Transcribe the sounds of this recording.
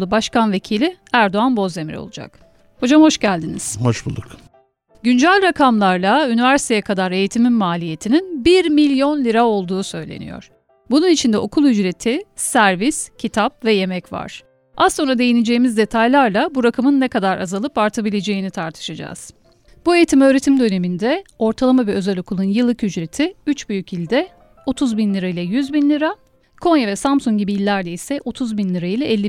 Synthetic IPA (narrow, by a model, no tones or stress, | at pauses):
lˠubaʃkanve̞cʰilʲiæɾd̪o̞anbo̞ze̞miɾo̞̰lˠud͡ʒa̰k | ho̞d͡ʒamho̞ʃɟælʲd̪iniz̥hoʃbṵlˠuk | ɟynd͡ʒælʲɾakʰamlˠaɾlˠaynivæɾsi̥t̪ʰejɛkʰad̪aɾe̞jit̪ʰimimmaːlʲije̞t̪ʰininbiɾmilʲjo̞nlʲiɾao̞lˠd̪uːsø̞jlʲḛnḭjo̰ɾ̥ | bununit͡ʃʰind̪ɛʔo̞kʰulˠyd͡ʒɾe̞t̪ʰisæɾviscʰit̪ʰap̚vɛje̞mɛcva̰ɾ̥ | ʔaso̞nɾad̪e̞jined͡ʒe̞jːimizd̪e̞t̪ʰajlʲˠaɾlˠabuɾakʰamɯnːɛkad̪aɾazalˠɯpaɾt̪ʰabilʲe̞d͡ʒe̞jinit̪ʰaɾt̪ʰɯ̥ʃad͡ʒa̰ːz̥ | b̥ue̞jit̪ʰimø̞ːɾe̞t̪ʰimd̪ø̞ne̞mind̪ɛo̞ɾt̪ʰalˠamavɛø̞zɛlʲo̞kʰulˠunjɯlˠːɯkyd͡ʒɾe̞t̪ʰiyt͡ʃbyjycilʲd̪ɛ | o̞t̪ʰuzbinlʲiɾailʲˠɛjyzbinlʲiɾa | kʰo̞njavɛsamsuŋɟibiilʲːæɾd̪ɛisɛʔo̞t̪ʰuzbinlʲiɾailʲˠɛʔɛlʲːi